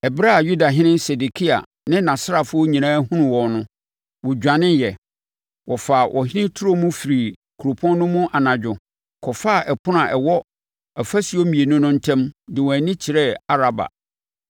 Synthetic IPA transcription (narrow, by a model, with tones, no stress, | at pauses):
ɛ˨bɪ˦ɾa˦˨ju˦da˨ɦɪ̃˦nɪ̃˦nsɛ˨de˨kʰi˦a̰˨ | nɪ̃˦nã˨sɾa˨fʊ˦o˦ɲĩ˨nãː˦ɦũ˦nʊ̃˨wɔ˨nʊ̃˦ | wɔ˨d͡ʑᶣã˨nɪ̃˦jɛ˨ | wɔ˨fa˨wʔɔ̰˨ɦɪ̃˦nɪ̃˦tʰʊ˦ɾo˦mʊ̃˦fi˨ɾi˨ | kʰu˨ɾo˨pʰɔ̃˦n˦nʊ̃˦mʊ̃˦ʔa˨nã˨d͡ʑᶣʊ˨ | kʰɔ˨fa˦˨ʔɛ˨pʰʊ˦nã˨ʔɛ˨wɔ˦ | ɛ˨fæ˦si˨˦o˦mĩ˨e˨nʊ̃˦nʊ̃˦n̩˦tʰɛ̃˦mdɪ˨wɔ̃˨æ˨nɪ̃˦t͡ɕʰɪ˨ɾɛ˦a˦ɾa˨ba̰˨